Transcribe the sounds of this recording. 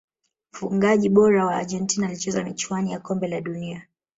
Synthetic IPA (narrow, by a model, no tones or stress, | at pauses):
m̩fuŋɡaʄiɓɔɾawaːʄɛntinaːlit͡ʃɛzamit͡ʃuanijakɔmbɛlaɗunia